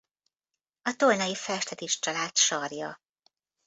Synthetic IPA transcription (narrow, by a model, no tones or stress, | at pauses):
ɒt̪olnɒjifɛʃt̪ɛt̪iʃt͡ʃɒlaːt̪ʃɒrjɒ